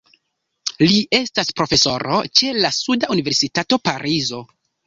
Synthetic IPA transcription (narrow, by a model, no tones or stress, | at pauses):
liʔe̞staspɾo̞fe̞so̞ɾo̞̰t͡ʃe̞lasudauniveɾsitato̞paɾizo̞